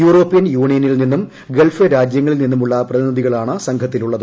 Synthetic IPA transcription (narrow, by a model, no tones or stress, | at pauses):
juːro̞ːpːijɐnjuːɳijɐnilninːum | ɡelfeɾaːd͡ʑjɐŋːɐɭilninːumuɭːɐprɐðiniðiɣɐɭaːɳɨsɐŋɡʰʱɐt̪ːiluɭːɐð